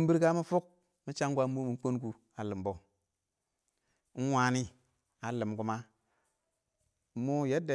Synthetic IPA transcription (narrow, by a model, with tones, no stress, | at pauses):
mbi˦ɾka˦mi˦fu˦k̚ | mi˦t͡ʃa˦ŋɡʷa˦mu˦mi˨˦k͡po˦nku˨ | a˨lɨ˨mbo˨˦ | n̩˦waː˨ni˦ | a˨lɨ˨mɡu˦ma˦ | mːu˦je˦de˨